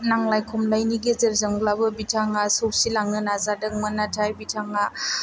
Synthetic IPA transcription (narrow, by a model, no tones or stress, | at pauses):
naŋlajkʰumlajniɡezeɾzəŋɡlabɯbitʰaŋasosilaŋɯnazadɯŋ̚mɯnatʰajbitʰaŋa